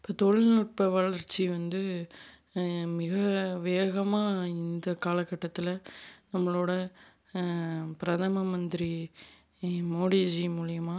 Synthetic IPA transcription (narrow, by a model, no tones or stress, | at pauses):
ɪpːoːt̪ɔɻɪnuːʈ̚pɐʋɐɭɐɾt͡ʃːiʋɐnd̪ɯ | mɪɣɐʋeːɣɐmaːɪnd̪ɐkaːlɐkːɐʈːɐt̪ːɪlɐnɐmːɐɭoːɽɐ | pɪɾɐðɐmɐmɐnd̪ɪɾi | moːɽiːd͡ʒimuːɭɪjɐmaː